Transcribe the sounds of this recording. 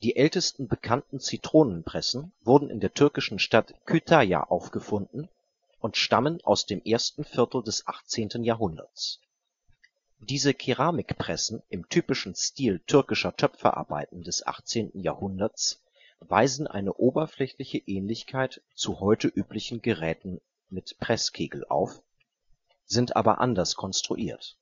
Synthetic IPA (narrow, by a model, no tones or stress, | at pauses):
d̥iːʔɛltəstn̩bəkʰantn̩t͡sitʁ̥oːnənpʁ̥ɛsn̩vʊɐdn̩ʔɪ̰ndeːɐtʰʏɐkɪʃn̩ʃtatkʰytʰaja̰ʔaʊfɡ̥əfʊndn̩ | ʔʊntʃtamənʔa̰ʊsd̥eːmʔeːɐstn̩fɪɐtl̩dɛsʔaχt͡seːntn̩jaːɐɦʊndɐ̰t͡s | d̥iːzəkʰiʁaːmɪkpʁ̥ɛsn̩ʔɪmtʰyːpɪʃn̩stiːltʰʏɐkɪʃɐtʰœpfɐ̰ʔa̰ɐba̰ɪtn̩dɛsʔa̰χt͡seːntn̩ja̰ːɐhʊndɐt͡s | vaɪzn̩ʔa̰ɪnəʔoːbɐflɛçlɪçəʔɛːnlɪçkʰaɪt | t͡suhɔʏtəʔyːplɪçn̩ɡəʁɛːtn̩ | mɪtpʁ̥ɛskʰeːɡl̩ʔa̰ʊf | z̥ɪntʔa̰ːbɐ̰ʔa̰ndɐskʰɔnstʁ̥ṵʔiːɐt